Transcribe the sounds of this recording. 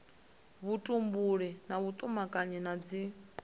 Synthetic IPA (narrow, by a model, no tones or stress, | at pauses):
βutʼumbuɺɛnaβut̪ʼumakʼaɲɛnad͡zi